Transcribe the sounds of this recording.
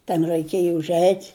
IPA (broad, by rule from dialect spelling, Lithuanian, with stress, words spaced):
tʲɛn rʲæɪˈkʲeːjɛ ʊʒʲˈɛɪtʲ